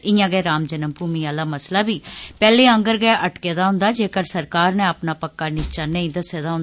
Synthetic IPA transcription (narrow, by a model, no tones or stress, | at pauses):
ɪjãːɡɛːɾaːmd͡ʒənəmpuːmiːaːlaːməslaːbiːpɛːleːə̃ŋɡəɾɡɛːʔəʈkeːd̪aːɦʊ̃nd̪aːd͡ʒeːkəɾsəɾkaːɾnɛ̃ːəpnaːpəkːaːnɪʃt͡ʃaːnə̃ĩːd̪əseːd̪aːɦʊ̃nd̪aː